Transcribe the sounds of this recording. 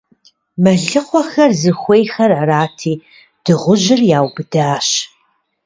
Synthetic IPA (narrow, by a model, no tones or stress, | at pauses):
mɐɮɨqʷɔxɐrzɨxʷejxɐraraːtʰiː | d̥ɨʁʷʊʑɪrjaːwbɨdaːɕ